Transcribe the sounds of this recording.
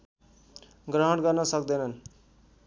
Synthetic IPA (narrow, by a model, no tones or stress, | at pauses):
ɡrʌɦʌɽɡʌrnʌsʌkd̪ʌnʌn